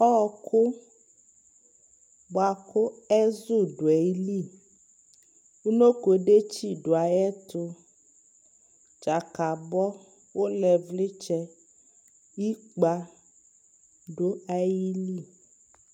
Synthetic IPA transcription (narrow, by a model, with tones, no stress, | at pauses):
ɔ˦˧kʰʊ˦ | ba˧kʊ˦ɛ˦zʊ˦˨ɖʊ˨ɛ˨i˦li˦˨ | u˦no˦ko˨ɖe˦t͡ʃi˦˨ɖo˨a˨jɛ˦tʊ˧ | t͡ʃa˨ka˨bɔ˦ | wo˦lɛ˨vli˦t͡ʃɛ˧ | i˦k͡pa˧ | ɖo˦a˨ji˦li˦˨